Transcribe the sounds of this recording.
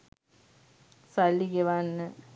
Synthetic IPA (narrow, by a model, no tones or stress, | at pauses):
salːiɡeʋanːə